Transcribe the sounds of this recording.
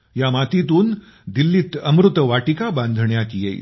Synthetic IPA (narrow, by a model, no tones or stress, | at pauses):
jamat̪it̪̬uːn | d̪ilːiːt̪əmɾut̪əʋaʈikabãnd̪ʱɳjakijḛḭ